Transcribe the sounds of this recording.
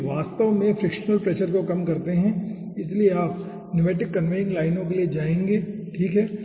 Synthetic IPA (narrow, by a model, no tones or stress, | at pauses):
ʋaːst̪əʋmẽfɾɪkʃnəlpɾɛːʃəɾkokɐmkɐɾt̪eɦɛ̃ | ɪslieaːp | nɪʋeːʈɪkːɐnʋeːɪ̃ŋlaːɪnõkelied͡ʒaːẽːŋɡeː | ʈʰiːkɦɛː